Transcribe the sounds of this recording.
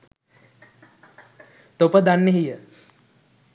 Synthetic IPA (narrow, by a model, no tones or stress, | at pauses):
t̪opəd̪anːeɦijə